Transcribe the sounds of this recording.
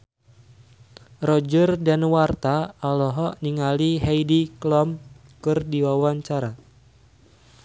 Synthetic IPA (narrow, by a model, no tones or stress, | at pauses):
rɔd͡ʒərdanwart̪aːlɔɦɔniŋaliɦɛjdiklɔm | kɨrdiwawaɲt͡ʃaɾa